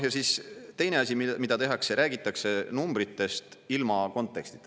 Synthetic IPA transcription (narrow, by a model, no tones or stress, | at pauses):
jɑsist̪e̞jne̞ɑsʲimmid̪̥ɑt̪e̞ɦɑkse̞ɾʔæːɡ̥it̪ːˑɑkse̞numb̥ɾit̪ːe̞st̪ilmɑko̞nt̪ːˑe̞kst̪i̥t̪ː